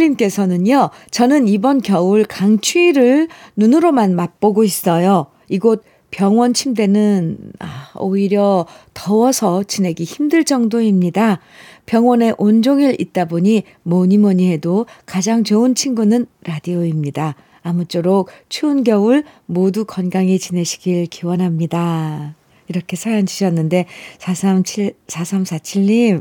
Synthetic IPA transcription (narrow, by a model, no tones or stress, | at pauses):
ʎːimk͈e̞sʰʌnɯɲjʌ | t͡ɕʌnɯnibʌnkjʌuɭkaŋt͡ɕʰiɾɯɭnunɯɾomanmat̚p͈oɡois͈ʌjo | iɡot̚ | p͈jʌŋwʌnt͡ɕʰimde̞nɯnaoiɾjʌtʌwʌsʰʌt͡ɕine̞ɡiçimdɯɭt͡ɕ͈ʌŋdoimɲida | pjʌŋwʌne̞ʔond͡ʑoŋiɾit̚t͈aboɲi | mʌɲimʌɲiɦe̞dokad͡ʑaŋt͡ɕount͡ɕʰinɡunɯn | ɾadioimɲidaː | mut͡ɕ͈oɾok̚t͡ɕʰuːnɡjʌuɭ | modukʌnɡaŋit͡ɕine̞ɕʰi̥ɡiɭkiwʌnɦamɲida | iɾʌkʰe̞sʰajand͡ʑuɕʰʌnːɯnde̞sat͡ɕʰisʰasʰamsʰat͡ɕʰiɭːi